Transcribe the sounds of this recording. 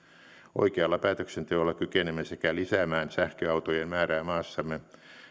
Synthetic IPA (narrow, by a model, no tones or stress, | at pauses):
o̰ikeɑlːɑpæːt̪øksent̪eolːɑkykenemːæsekælisæmæːnsæhkøɑut̪ojenmæːɾæːmɑːsːɑmːe